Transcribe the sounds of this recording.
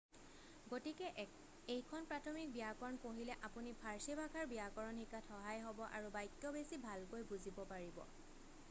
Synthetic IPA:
ɡotikɛʔ | ejkʰɔnpɹatʰɔmik̚bijakɔɹnkoɦilɛʔapunipʰaɹsibʱaɡʰʱaɹbiakɔɹɔnhikatʰxɔɦajɦɔbɔʔa̰ɹubajtːjɔbesibʱalkojbuzibɔpaɹibɔ̰

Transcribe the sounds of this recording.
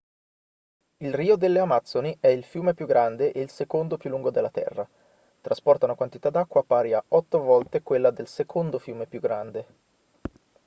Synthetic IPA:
ilriːod̪elːeamat̪sːoniʔɛilfjuːmepjuɡːɾand̪eʔeilsekond̪opjulːuŋɡod̪elːat̪ɛ̰rːa | t̪ɾaspɔrt̪aunakwant̪it̪ad̪ːakːwaːpːaːɾiaɔt̪ːovɔlt̪ekwelːad̪elsekʰond̪ofjuːmepjuɡːɾand̪e

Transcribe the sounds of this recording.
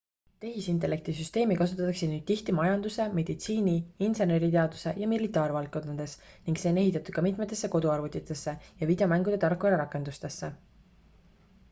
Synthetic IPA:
t̪e̞ɦisint̪ˑe̞le̞k̚t̪isyst̪e̞ːmikɑs̬ut̪ːˑɑt̪ːˑɑksid̪nyːd̥̪̚t̪iht̪imɑjɑnd̪use̞me̞d̪̥it̪siːnʲiinsene̞ɾit̪e̞ɑd̪̥use̞jɑmilit̪ːˑɑːɾvɑlkkːo̞nːɑd̪̥e̞sniŋɡ̥se̞ne̞ɦit̪ːˑɑt̪ud̪̥̚kɑmit̪ˑmet̪ːˑe̞sːe̞ko̞d̪uɑrvut̪ːˑit̪ːˑe̞sːe̞jɑvid̪̥eo̞mæŋɡud̪̥e̞t̪ɑrkuɾeɾɑkːˑe̞nd̪ust̪e̞sːe̞

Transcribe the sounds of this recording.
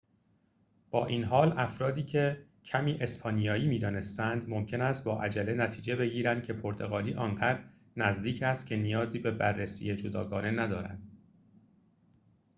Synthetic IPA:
b̥ɒːʔiːnɦɒːlæfɾɒːd̪iːcʰe̞ | cʰæmiːʔe̞spʰɒːnijɒːjiːmiːd̪ɒːne̞st̪ænd̪momcʰe̞næst̪̚bɒːʔæd͡ʒælenæt̪ʰiːd͡ʒe̞be̞ɟiːɾænd̪̚cʰe̞pʰoɾt̪ʰo̞ɣɒːliːʔɒːnɢæd̪ɾ | næzd̪iːcʰæst̪̚cʰe̞nijɒːziːbe̞bærːesḭjed͡ʒod̪ɒːɡɒːne̞næd̪ɒːɾæ̰nd̪̥

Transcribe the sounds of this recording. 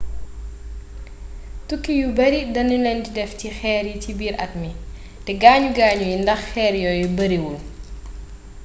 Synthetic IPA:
tukːijubɐɾidɐnːəlɛndidɛftixɛːɾicibiːɾʔɐt̚mi | tɛɡaːɲuɡaːɲujindɐxxɛːɾjɔjubɐɾiwul

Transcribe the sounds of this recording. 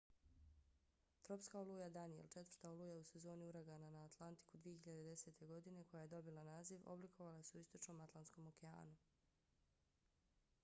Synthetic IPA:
t̪ɾo̞pskaolˠujad̪anijḛlˠt͡ʃe̞t̪vɾ̥t̪aolujause̞zo̞ːniuɾaɡananaːt̪lˠant̪i̥kud̪ʋije̞çiʎad̪ed̪e̞se̞t̪ʰe̞ɡo̞d̪ine̞ko̞jaje̞d̪o̞bilˠanaːziʋo̞̰blikʰo̞ʋalaseuist̪o̞t͡ʃno̞ːmat̪lˠansko̞mo̞kea̰ːnu

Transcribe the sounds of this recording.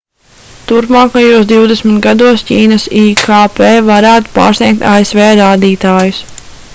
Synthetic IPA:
t̪uɾpmaːkajuɔsd̪iwd̪ɛsmit̪ɡad̪uɔsciːnɐsikʰaːpeːvaɾæːt̪u̥pa̰ːɾsnʲiɛk̚t̪aesveːɾaːd̪iːt̪aːjus

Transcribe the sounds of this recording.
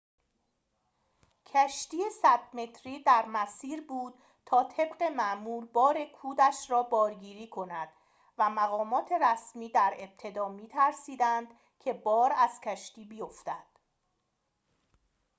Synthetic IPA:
cʰæʃt̪iːesæd̪me̞t̪ʰɾiːd̪æɾmæsiːɾbuːd̪̥̚ | t̪ʰɒːt̪ʰe̞bɢe̞mæʔmuːɾbɒːɾe̞kʰuːd̪æʃɾɒːbɒːɾɡiːɾiːkʰo̞næd̪̥ | væmæɣɒːmɒːt̪ʰe̞ɾæsmiːd̪æɾe̞b̥̚t̪ʰe̞d̪ɒːmiːt̪ʰæɾsiːd̪ænd̪ | cʰe̞bɒːɾæz̥cʰæʃt̪iːbijo̞ft̪æd̪̥

